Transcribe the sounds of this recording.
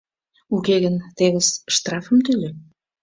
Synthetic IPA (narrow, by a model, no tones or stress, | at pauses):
ukeɣənt̪eβəsʃt̪rɑfə̆mt̪ylʲe